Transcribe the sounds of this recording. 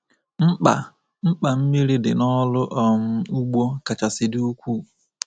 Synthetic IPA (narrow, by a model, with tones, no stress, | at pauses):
m̩˦k͡pa̰˨ | m̩˦k͡pa˨m̩˦mi˦ɾi˦dɪ˨nɔ˦lʊ˦ʔɔ˨m̩˦u˦ɡ͡bo˦ka˨t͡ʃa˨sɪ˨du˦kʷu˦˨